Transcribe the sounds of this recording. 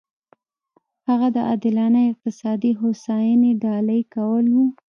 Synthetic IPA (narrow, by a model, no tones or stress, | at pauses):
haɣad̪əʔɑd̪ɪlɑnəjɪq̚t̪ɪsɑd̪iɦosɑjaneɖɑləjkawəlwu